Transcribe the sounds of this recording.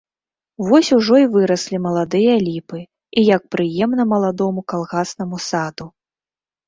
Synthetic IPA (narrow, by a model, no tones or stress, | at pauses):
vɔsʲuʐɔivɨɾɐsʲlʲimɐlˠad̪ɨjɐlʲipɨ | ijɐk̚pɾɨjɛmnɐmɐlˠad̪ɔmukalˠɣasnɐmusad̪u